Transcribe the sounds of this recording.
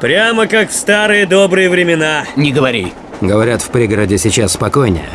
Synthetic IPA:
pɾʲaməkakfst̪aɾɨjəd̪obɾɨjəvɾʲɪmʲɪnanʲɪɡəvɐɾʲḭ | ɡəvɐɾʲat̪fpɾʲiɡəɾədʲɪsʲɪt͡ɕasːpɐko̞jnʲɪ̰jə̰

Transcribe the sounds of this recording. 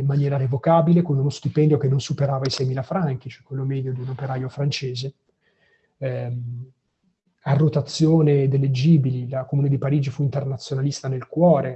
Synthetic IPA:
mːanjɛːɾaɾevokaːbilekonunost̪ipɛnd̪jokenːonsupeɾaːvaisɛjmiːlafɾaŋk̟it͡ʃoɛkːwelːomɛd̪jod̪iunopeɾaːjofɾant͡ʃeːze | arːot̪at̪sːjoːned̪elːed͡ʒiːbililakomuːned̪ipaɾiːd͡ʒifuint̪ernat̪sːjonalist̪anelkwɔːɾe

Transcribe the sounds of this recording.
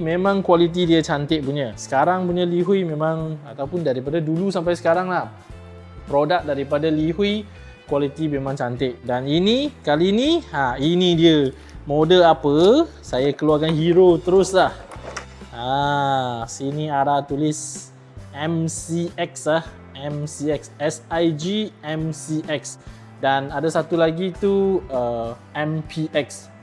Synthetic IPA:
mẽmãŋkwalit̪̬idiət͡ʃant̪ɪʔ̚puɲəsə̥kaɾaŋpuɲaliɦuimẽmãŋat̪awpʊndaɾipadadulusampajsə̥kaɾaŋlah | pɾodak̚daɾipadaliɦui | kwalit̪imemãŋt͡ʃant̪ɪʔ̚daninikaliniainidiə | modəlapə | sajakəluarkanhiɾot̪əɾʊslah | a | sinĩaɾat̪ulis | ɛ̃msiɛkslah | ɛmsiɛksɛsajd͡ʒiɛ̃msiʔɛks | danadasat̪ulaɡit̪uə | ɛ̃mpʰiʔɛks

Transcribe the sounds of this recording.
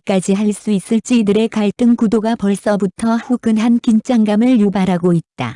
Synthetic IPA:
k͈ad͡ʑiɦaɭs͈uis͈ɯɭt͡ɕ͈iidɯɾe̞kaɭt͈ɯŋkudoɡapʌɭs͈ʌbutʰʌhuɡɯnɦankint͡ɕ͈aŋɡamɯɭjubaɾɦaɡoit̚t͈a̰

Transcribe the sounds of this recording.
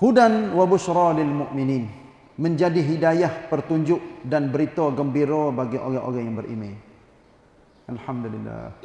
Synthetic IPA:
hudanwabusɾɔlɪlmʊʔminiːn | məɲd͡ʒadiɦidajahpərt̪uɲd͡ʒʊʔdanbəɾit̪ɔɡəmbiɾɔbaɡiʔo̰ɣaŋʔo̰ɣaŋjaŋbərʔḭme | ʔalhamdulilːa̰h

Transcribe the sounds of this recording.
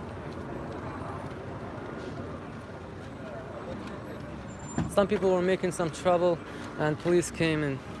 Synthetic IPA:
sʌ̃mpipl̩ˠwə˞meɪkɪ̃ŋsʌ̃mtʰɹ̥ʌbl̩ˠ | ʔə̃npʰəliskʰẽɪ̃mɨ̃n

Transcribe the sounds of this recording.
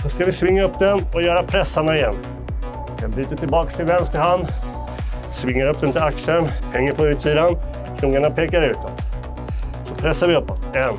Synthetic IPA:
sɔskavɪsvɪŋːaɵpːd̪ɛnɔjœːɾapʰɾɛsːaɳaɪjɛnː | vɪskabɾyːt̪at̪ʰɪlbɑːkst̪ʰɪlvɛnst̪əɾhand̪ | svɪŋːaɾɵpːd̪ɛnt̪ʰɪlaksəɳhʰɛŋːəpʰɔʉ̟ːt̪siːd̪an | kʰɾʊːŋaɳapʰeːkaɾʉ̟ːt̪ɔt̪ | sɔpʰɾɛsːaɾvɪɵpːɔt̪ɛn

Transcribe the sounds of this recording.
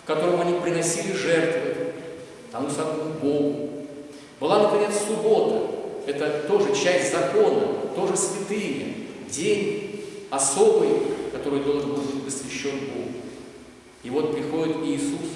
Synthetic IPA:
kkɐt̪o̞ɾəmɐnʲipɾʲɪnɐsʲilʲɪʐɛrt̪vɨ | t̪ɐnusɐd̪nubo̞ɡʊ | b̥ɨlˠanəpɾʲɪnʲet̪ssʊbo̞t̪əɛt̪ət̪o̞ʐɨt͡ɕæsʲtʲzɐko̞nəət̪o̞ʐɨsvʲɪt̪ɨjmʲɪdʲenʲɐso̞bɨjkɐt̪o̞ɾɨjd̪o̞lˠʐɨnbɨtʲpəsvʲɪɕːo̞nbo̞ɡʊ | ivo̞t̪̚pɾʲɪxo̞dʲɪt̪iːsus

